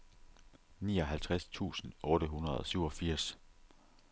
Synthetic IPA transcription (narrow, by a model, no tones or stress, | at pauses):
niːɒ̽ɦælt͡sʰʁast͡sʰṵːsn̩ɔːɾ̥əɦunɐð̞ˠɒ̽syʊɒ̽fiɐ̰s